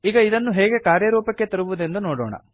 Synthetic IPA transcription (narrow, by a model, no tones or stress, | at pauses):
iːɡɐid̪ɐnːuɦɛːɡe̞kaːɾjɐɾuːpɐkːet̪ɐɾuʋud̪e̞nd̪unoːɽɔ̰ːɳɐ̰